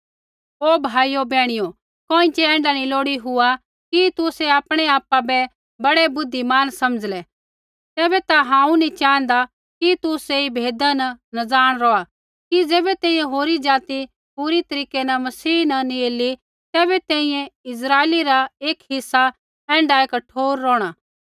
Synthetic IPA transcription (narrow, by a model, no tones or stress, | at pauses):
oːbʱaːiobɛːɽ̃ɪjo | kõːɪ̃t͡ʃɛɛ̃ːɳɖaniloːɽiɦʊa | kit̪ʊsɛaːpɽ̃eaːpːabɛ | bɐɽɛbʊd̪ʱːimaːnsɐməd͡zlɛ | t̪ɛːbɛt̪aɦãːũnĩt͡ʃãːnd̪a | kit̪ʊseibʱeːd̪anɐnɐd͡zaːɽ̃ɾɔːa | kid͡zɛːbɛt̪ɛ̃ːĩjẽɦoːɾid͡ʒaːt̪i | puɾit̪ɐɾiːkenɐmɐsiːnɐnĩeːli | t̪ɛːbɛt̪ɛ̃ːĩjɛ̃ɪs̬ɾaːeːliɾaeːkɦɪsːa | ɛ̃ːɳɖaekɐʈʰoːɾːɔːɽ̃a